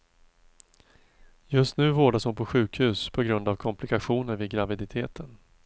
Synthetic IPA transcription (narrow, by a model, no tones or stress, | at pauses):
jɵst̪nʉ̟ːvoːɖashʊnpʰɔɧʉ̟ːkhʉ̟ːspʰɔɡɾɵnd̪avkʰɔmpʰlɪkaɧuːnəɾvɪɡɾavɪd̪ɪt̪ʰeːt̪ʰən